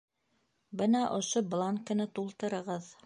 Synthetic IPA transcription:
bɤnɑʔŏʃoblˠɑŋkɤ̆nɑt̪ulˠt̪ɤ̆ɾɤ̆ʁɤð

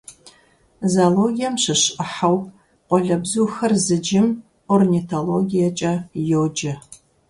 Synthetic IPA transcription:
zaːloːɡijɛmɕɨɕʔɨħaw | qʷɔɮɐbzuːxɐrzɨd͡ʒɪm | ornitʰoloɡijɛt͡ʃʼɐjowd͡ʒɐ

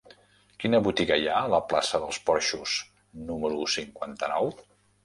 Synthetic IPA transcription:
kinəβut̪iɣəjaələplasəðəlˠspɔɾʃuz | numəɾusiŋkwant̪ənɔw

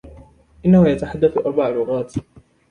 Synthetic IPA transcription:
ʔɪnːahʊjat̪aħad̪ːaθʔɑɾˤbaʕlʊɣaːt̪

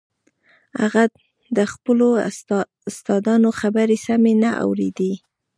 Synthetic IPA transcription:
aɣa | d̪əxpəlo | st̪ɑd̪ɑnoxabaɾesamenaʔa̰wɾḛd̪i

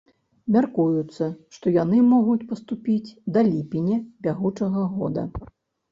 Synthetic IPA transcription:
mʲarkujut̪sːɐʂt̪ɔjanɨmɔɣut͡sʲpɐst̪upʲit͡sʲd̪ɐlʲipʲinʲɛbʲaɣut͡ʂɐɣɐɣɔ̰d̪ɐ̰

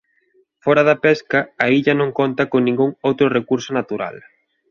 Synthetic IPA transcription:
fɔɾɐðɐpɛskɐaiʎɐnõŋkont̪ɐkoŋnĩŋɡuŋowt̪ɾʊrekuɾsʊnat̪uɾa̰l

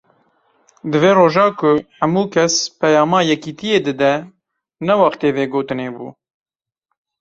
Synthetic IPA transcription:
d̪ɨveːroːʒɑːkʰʊħɛmuːkʰɛspɛjɑːmɑːjɛkiːt̪ʰijeːd̪ɨd̪ɛ | nɛwɑxt̪eːveːɡoːt̪ɨneːbṵː

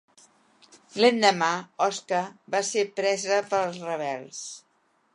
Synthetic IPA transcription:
lend̪əmaɔskəβasepɾɛzəpəlˠzrəβ̞ɛlˠs

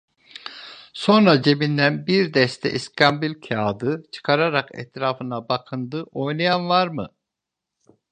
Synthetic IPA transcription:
so̞nɾad͡ʒe̞bind̪ænbiɾd̪ɛst̪ʰɛ̰ʔiskʰambilʲcʰaːd̪ɯt͡ʃʰɯ̥kʰaɾaɾakɛ̰t̪ɾaːfɯnabakʰɯnd̪ɯʔo̞jnajanvaɾmɯ

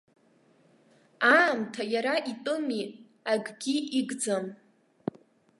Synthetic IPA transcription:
aːmtʰajaɾaʔitʼɨmi | aɡɡʲiʔiɡd͡zam

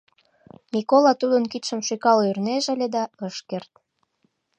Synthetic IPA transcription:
mikolɑt̪ud̪ənkit̪ʃə̆mʃykɑloyrneʒə̆lʲed̪ɑəʃkert̪

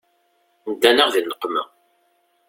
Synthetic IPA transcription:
nəd̪ːænəʁðinəqːmə

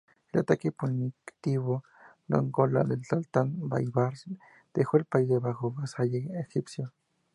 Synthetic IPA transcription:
lat̪akiponikt̪iβo | no̰ŋɡola̰d̪et͡ɬalt̪anba̰jβaɾs | d̪̥exwelpajðeβaxoɣasajeexipsjo

